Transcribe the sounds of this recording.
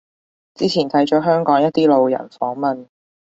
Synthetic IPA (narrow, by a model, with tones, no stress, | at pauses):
t͡siː˥t͡sʰiː˨˩nt̪ʰɐ˨˥jt͡ʃɔː˨˥ɦœː˥ŋkɔː˨˥ŋjɐ˥t̪̚iː˥lo˨wjɐ̰˨˩nfɔː˨˥ŋmɐ˨n